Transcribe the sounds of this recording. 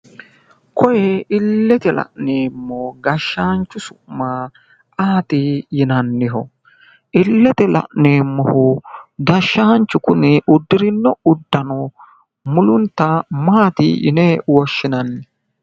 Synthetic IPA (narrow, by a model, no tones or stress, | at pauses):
kʰɔjɛɪlːɛt̪ɛlɐ̰ʔneːmːɔɡɐʃːaːnt͡ʃːʊsʊmːa | ʔaːt̪ɪjɪnɐnːɪɦɔ̰ | ʔɪlːɛt̪ɛlɐ̰ʔneːmːɔhʊɡɐʃːant͡ʃːʊkʊnɛʔʊd̪ːɪɾɪnːɔʊd̪ːɐnɔ | mʊlʊnt̪ːɐmaːt̪ɪ̰jɪ̰nɛwɔʃːɪnɐnːɪ